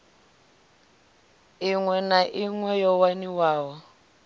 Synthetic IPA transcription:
iŋwɛnaʔiŋwɛjɔwaniwaːwɔ

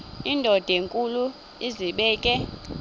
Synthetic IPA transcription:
indʱɔd̥ʱeŋkʼulu | iziɓɛːkʼɛ

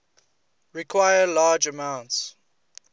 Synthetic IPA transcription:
ɹikʰwajəlaːd͡ʒəmãʊ̃nts

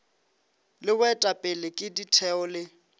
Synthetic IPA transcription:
lɪwɛtʼapʼɪlɪkʼɪditʰɛɔlɪ

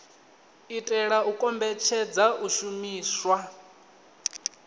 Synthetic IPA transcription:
itʼɛɺaukʼɔmbɛt͡ʃʰɛd͡zaʔuʃumiːswa

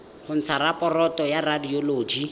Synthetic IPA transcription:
χʊn̩t͡sʰaɾapɔrɔtɔjaradioloːd͡ʒi

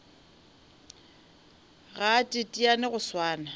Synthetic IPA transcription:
ɣatʼɪtʼianɪɣʊswaːna

